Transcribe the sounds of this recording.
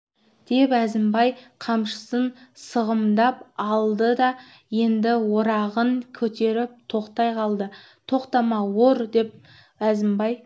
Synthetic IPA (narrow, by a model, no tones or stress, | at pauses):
d̪̥e̞pæzɪmbɑjqʰɑmʃə̥sənsəʁəmd̪ɑpɑlˠd̪əd̪ɑ | je̞nd̪ɪwoɾɑʁəɴkʲʰɵt̪e̞ɾɪp̚t̪ʰo̞qt̪ɑjqʰɑlˠd̪ə | t̪ʰo̞qt̪ɑmɑwoɾd̪e̞p̚ | æzɪmbɑj